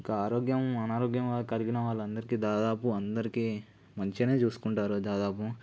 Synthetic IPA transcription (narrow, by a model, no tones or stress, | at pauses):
ikɐaːɾoːɡjɐmɐnaːɾoːɡjɐmʋaːɐkɐliɡinɐʋaːɭːɐnd̪ɐɾikiːd̪aːd̪aːpuɐnd̪ɐɾikiː | mɐɲt͡ʃene̞ːt͡ʃuːsu̥kuɳʈaːɾud̪aːd̪aːpu